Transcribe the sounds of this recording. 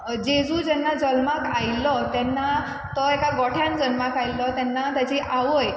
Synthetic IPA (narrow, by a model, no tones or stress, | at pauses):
d͡ʑed͡zũd͡ʑɛnːad͡zəlmakajlɔt̪ɛnːa | t̪ɔekaɡɔʈʰjand͡zənmakajlɔt̪jɛnːat̪jat͡ɕiʔaʋoj